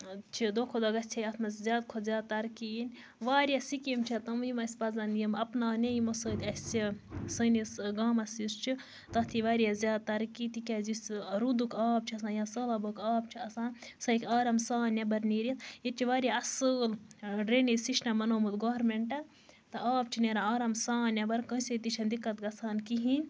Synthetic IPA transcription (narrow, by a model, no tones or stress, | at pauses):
t͡ʃʰid̪oːkʰod̪ɐɡɐsʲt͡ʃʰejɐt̪ʰmɐszʲjaːd̪̚kʰozʲaːd̪̚t̪ɐɾkiːnʲ | ʋaːɾʲjasikimt͡ʃʰit̪ɐmjimɐsʲpɐzɐnjimɐpnaːnʲejimosəːlʲɐsʲisənisɡaːmɐsist͡ʃʰi | t̪ɐt̪ʰiʋaːɾijazʲjaːd̪̚t̪ɐɾkiːt̪ikʲazisɾud̪ukaːp̚t͡ʃʰiɐsãːjãsəːlɐbəkaːbt͡ʃʰiɐsãːnsɐjkʲaːɾɐmsaːnʲjabɐɾniːɾʲjit̪jit͡ʃʰiʋaːɾjaɐsəːlɖɾenisiʃnamɐnoːmɨt̪ɡoːɾmeɳʈɐ | t̪ɨʔaːp̚t͡ʃʰineɾaaːɾɐmsaːnʲjabɐɾkə̃sʲet̪it͡ʃʰɐnd̪ikːɐt̪̚ɡɐsʰaːnkiɦĩnʲ